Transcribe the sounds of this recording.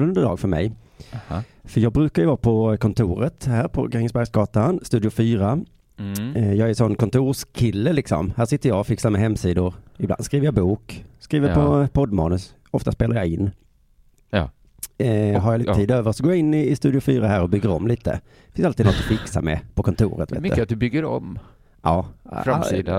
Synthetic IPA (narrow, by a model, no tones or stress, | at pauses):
ɵnd̪əd̪ɑːɡfœɾmɛ̰j | fœɾjɑːɡ̚bɾʉ̟ːkajəvɑːpʰɔkʰɔnt̪ʰuːɾət̪hæːɾpʰɔ̰ɡɾɛŋəsbæɾɡsɡɑːt̪anst̪ʉːd̪ɪʊfyːɾa | jɑːɡæɾsɔnːkʰɔnt̪ʰuːʂkʰɪlːəlɪksɔ̰mhæːʂɪt̪ːəɾjɑɔfɪksamɛɦɛmːsiːd̪ʊɾɪbla̰nskɾiːvəɾjɑbuːkskɾiːvəpʰɔpʰɔd̪mɑ̰ːnɵs | ɔft̪aspeːlaɾjɑɪnː | ɦaɾjalt̪iːd̪øːvəɾsɔɡoːjaɪnːɪɪst̪ʉ̟ːd̪ɪʊfyːɾaɦæːɾɔbʏɡːəɾɔmliːt̪ə̰̥ | fɪnsalt̪iːd̪nɔt̪ːɔfɪksa̰mɛ̰pʰɔkʰɔnt̪ʰṵːɾə̰t̪v̰t̪ːat̪̚d̪ɵbʏɡːəɾɔ̰m | ʔɑːfɾasiː